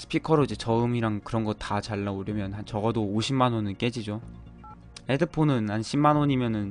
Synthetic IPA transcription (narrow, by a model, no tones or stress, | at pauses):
sʰɯ̥pʰikʰʌɾoid͡ʑe̞t͡ɕʌɯmiɾaŋkɯɾʌnɡʌt̚tat͡ɕaɭːaoɾjʌmjʌnhant͡ɕʌɡʌdoːɕʰimanonɯnk͈e̞d͡ʑid͡ʑo | edɯpʰonɯnhanɕʰimːanoɲimjʌnɯn